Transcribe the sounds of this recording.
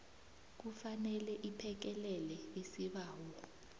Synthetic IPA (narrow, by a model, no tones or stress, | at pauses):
k̬ufanɛlɛʔipʰɛk̬ɛlɛlɛesiɓaːwɔ